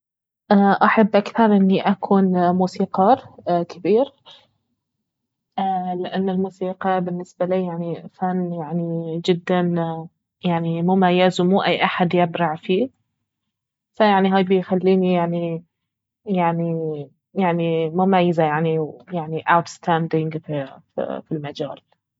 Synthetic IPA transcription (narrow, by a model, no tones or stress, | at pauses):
ʔaːʔaħabːʔakθɑɾˤʔɪnːiʔakʰuːnmuːsiːqɑːɾkʰɪbiːɾ | lɪʔanːalmuːsiːqɑbɪnːɪsbaliːjaʕnifanːjaʕnid͡ʒɪd̪ːan | jaʕnimʊmajːazmuːʔajːʔaħad̪jɪbɾɑʕfiː | sajaʕniɦaːjbɪjxalːiːnijaʕni | jaʕni | jaʕnimʊmajːazajaʕnijaʕniʔawt̪st̪aːnd̪ɪŋɡf | filmad͡ʒaːl